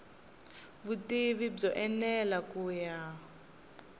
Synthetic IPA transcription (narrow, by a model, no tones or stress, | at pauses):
βutiβib͡ʐɔʔɛnɛlakuːja